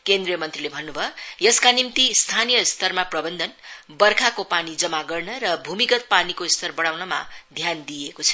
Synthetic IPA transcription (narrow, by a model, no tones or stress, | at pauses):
kend̪rijʌmʌnt̪rilebʱʌnːubʱʌjʌskanimt̪ist̪ʰanijʌst̪ʰʌrmaprʌbʌnd̪ʱʌnbʌrkʰakopanid͡zʌmaɡʌrnʌɾʌbʱumikʌt̪̚panikost̪ʰʌrbʌɽawnʌma̰d̪ʱjand̪ijekot͡sʰʌ̥